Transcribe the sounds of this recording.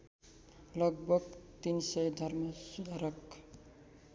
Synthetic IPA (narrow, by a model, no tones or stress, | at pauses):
lʌɡ̚bʱʌɡt̪insʌjd̪ʱʌrmʌsud̪ʱaɾʌk